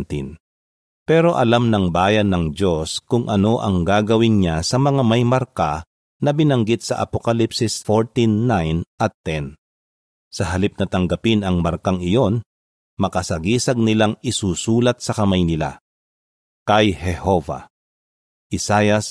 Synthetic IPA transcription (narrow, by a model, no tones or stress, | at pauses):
t̪in | pɛːɾo̞ʔɐlamnɐŋbaːjɐnːɐŋd͡ʒoskʊŋʔɐno̞ʔɐŋɡaːɡɐwɪnɲasɐmɐŋamɐjmɐɾka | nɐbɪnɐŋɡɪt̪̚sɐʔɐ̰pokɐlipsɪsfoɹt̪inːajnʔɐt̪ːɛn | sɐɦɐlip̚nɐt̪ɐŋɡɐpɪnɐŋmɐɾkaŋɪjo̞n | mɐkɐsɐɡiːsɐɡ̚nɪlaŋɪsuːsuːlɐt̪̚sɐkɐmajnɪla̰ | kɐjhɛho̞va̰ | ʔɪsajɐs